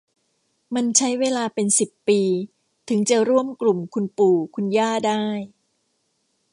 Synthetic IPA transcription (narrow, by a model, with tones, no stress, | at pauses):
ma˧nt͡ɕʰa˦˥jweː˧laː˧pe˧nsi˨˩pːiː˧ | t̪ʰɯ˩˦ŋt͡ɕa˨˩ɾu˥˩əmklu˨˩mkʰu˧npuː˨˩kʰu˧njaː˥˩daː˥˩j